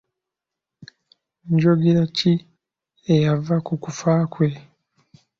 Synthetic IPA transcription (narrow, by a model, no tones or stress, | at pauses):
ɲɟoɡiɾaci | ejavakukufaːkwe̞